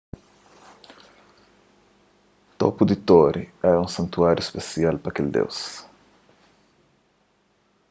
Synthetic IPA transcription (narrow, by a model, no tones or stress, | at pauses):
t̪o̰pʊd̪it̪oɾiɛɾũsɐ̃nt̪uaɾjʊispesialpɾɐkeld̪ḛws